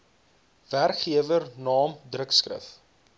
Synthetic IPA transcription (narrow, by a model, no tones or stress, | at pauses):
værkχiəvərnɑːmdrəkskrə̰f